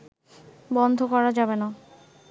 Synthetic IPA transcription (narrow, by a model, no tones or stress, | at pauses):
bɔnd̪ʱokɔɾad͡ʑabena